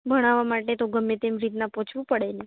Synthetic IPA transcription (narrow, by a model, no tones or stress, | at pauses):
bəɽ̃aʋamaʈet̪oɡəmːet̪emɾit̪napõt͡ʃʰʋũpəɽene